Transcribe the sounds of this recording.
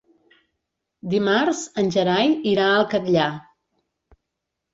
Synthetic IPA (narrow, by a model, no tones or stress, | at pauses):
d̪imaɾzənʲʒəɾajiɾaəlˠkət̪ʎa